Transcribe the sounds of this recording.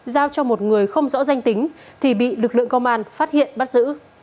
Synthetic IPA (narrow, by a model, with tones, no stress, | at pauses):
zaː˧wt͡ɕɔ˧mo˨˩t̚ŋɨ˨˩əjxə˧wŋ͡mzɔ̰˧˥za˧jŋ̟t̪ï˨˦ŋ̟t̪ʰi˨˩ɓḭ˧˨lɨ˨˩k̚lɨ̰˧˨əŋkə˧wŋ͡mʔaː˧nfaː˦˥t̚hḭ˧˨ənɓa˦˥t̚zɨ̰˧˥